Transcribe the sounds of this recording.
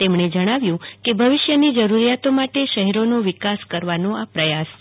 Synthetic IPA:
t̪emɳed͡ʒəɽ̃aʋjũkebʱəʋɪʃjənid͡ʒəɾuɾijat̪omaʈeʃəɦɛɾonoʋɪkaskəɾʋanoapɾəjas

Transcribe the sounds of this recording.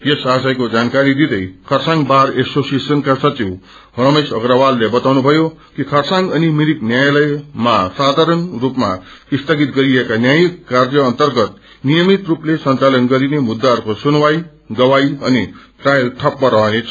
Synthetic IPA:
jesasajkod͡zankaɾid̪id̪ʌjkʰʌrsãŋbaɾesosesʌnkasʌt͡siw | ɦrʌmesʌɡɾawalːebʌt̪awnubʱʌjokikʰʌrsãŋɡʌnimiɾiknjajlʌjmasad̪ʱaɾʌnrupma̰ist̪ʰʌɡit̪ɡʌɾiekanjajikːarjʌːnt̪ʌrɡʌt̪̚ | nijʌmit̪ruplesʌnt͡salʌnɡʌɾinemud̪ːarkosunwaj | ɡʌwajʌniʈrajlʈʰʌpmaɾʌɦnet͡sʰ

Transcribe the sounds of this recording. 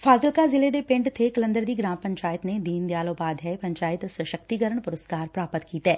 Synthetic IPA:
fʰaːzəlkazɪled̪epɪ̃ɳɖt̪ʰekɐlə̃nd̪əɾd̪iːɡɾãːmpɐ̃ɲt͡ʃaːjət̪ned̪iːnd̪jaːloːbaːd̪ɦɛpɐ̃ɲt͡ʃaːjɪt̪səʃək̚t̪iɡəɾəɳ̃pʊɾəskaːɾpɾaːpət̪kiːt̪ɦɛː

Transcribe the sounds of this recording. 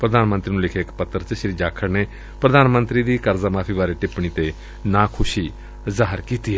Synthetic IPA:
pɾəd̪aːnmə̃nt̪ɾiːnũːlɪkʰeːɪkpət̪ːəɾt͡ʃəʃɾiːd͡ʒaːkʰəɾneː | pɾəd̪aːnmənt̪ɾiːd̪iːkəɾzaːmaːpʰiːʋaːɾeːʈɪpɳ̃iːt̪eː | nãːkʰʊʃiː | zaːɦəɾkiːt̪iːɛː

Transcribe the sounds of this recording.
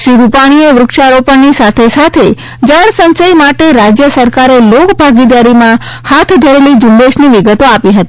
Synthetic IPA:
ʃɾiɾupaɽ̃ieʋɾʊkʃaɾopəɳnisat̪ʰesat̪ʰe | d͡ʒaɽ̃sə̃nt͡ʃəjmaʈeɾad͡ʒjəsəɾkaɾelokbʱaɡid̪aɾimã | hat̪ʰd̪ʱəɾelid͡ʒʊnɖeʃniʋiɡət̪oapiɦət̪ii

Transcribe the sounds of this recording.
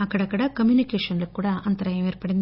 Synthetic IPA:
ɐkːɐɽɐkːɐɽɐkɐmjuːnikeːʂɐnlokːuːɽaːʔɐnt̪ɐɾɐjɐmeːɾpɐɽind̪

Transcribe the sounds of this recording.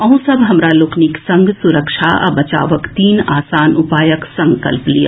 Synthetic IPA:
ɐɦũsɐbʱɦɐmɾaloːkniksɐ̃ŋɡʱsʊɾəkʃʰaɐ̰bɐt͡ʃa̰ːʋəkt̪iːnaːsaːnʊpaːjəksɐ̃ŋkɐ̰lplija̰

